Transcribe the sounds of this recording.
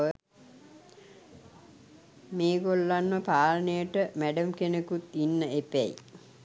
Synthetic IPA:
ə | meːɡolːanməpaːlənejəʈəmæɖəmkenəkut̪inːəepæjḭ

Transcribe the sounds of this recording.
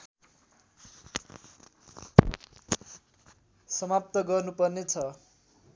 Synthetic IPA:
sʌmap̚t̪ʌɡʌrnupʌrnet͡sʰʌ

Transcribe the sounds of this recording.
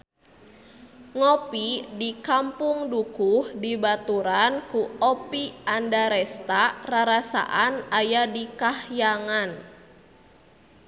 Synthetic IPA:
ŋɔpidikampuŋdukuhdibat̪uɾankuɔpiandaɾɛst̪araɾasa̰ʔanajadikahjaŋan

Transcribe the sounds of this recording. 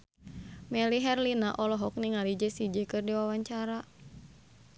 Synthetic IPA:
mɛliɦɛrlinaʔɔlɔɦɔk̚niŋalid͡ʒɛsid͡ʒɛkɨrdiwawaɲt͡ʃaɾa

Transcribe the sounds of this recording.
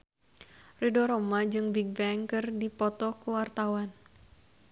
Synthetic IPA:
ridɔɾomad͡ʒɨŋbiɡ̚bɛŋkɨrdipɔt̪ɔkuwart̪awan

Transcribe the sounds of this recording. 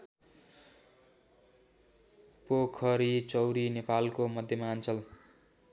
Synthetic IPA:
pokʰʌɾit͡sʌwɾinepalkomʌd̪ʱjʌmaːnt͡sʌl

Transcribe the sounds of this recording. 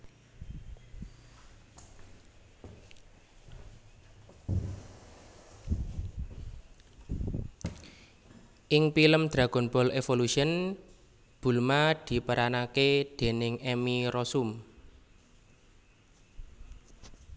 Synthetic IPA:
ʔɪŋpiləmd̪̥ɾa̤ɡ̥ɔ̤nbɔlefoluʃiən | b̥ṳlmad̪̥i̤pəɾanaked̪̥e̤nɪŋɛmiɾɔsum

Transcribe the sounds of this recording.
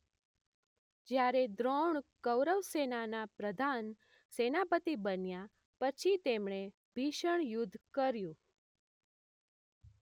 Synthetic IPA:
d͡ʒjaɾed̪ɾoɳkəwɾəʋsenanapɾəd̪ʱan | senapət̪ibənja | pət͡ʃʰit̪emɳ̃e | bʱiʃəɳjʊd̪ʱːkəɾjũ

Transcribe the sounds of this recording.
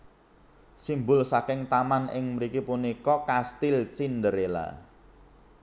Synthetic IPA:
simbʊlsakɪŋt̪amanɪ̰ŋməɾikipunikɔkast̪ɪlt͡ʃindəɾela̰

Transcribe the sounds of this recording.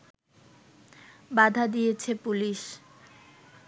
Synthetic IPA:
bad̪ʱad̪ijet͡ɕʰepuliʃ

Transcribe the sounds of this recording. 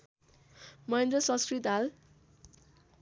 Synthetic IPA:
mʌẽnd̪rʌsʌ̃nskɾit̪ɦal

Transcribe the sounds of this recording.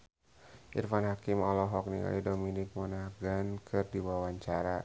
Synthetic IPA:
ʔḭrfanɦakimɔlɔɦɔk̚niŋa̰lidominɪk̚mɔnaɡankʰɨrdiwawaɲt͡ʃaɾa

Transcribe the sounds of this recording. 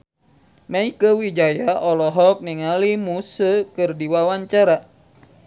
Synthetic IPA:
maikəwid͡ʒajaɔlɔɦɔk̚niŋalimusəkɨrdiwawaɲt͡ʃaɾa

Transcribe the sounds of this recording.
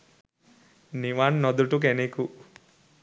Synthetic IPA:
niʋaːnnɔd̪uʈuk̬eniku

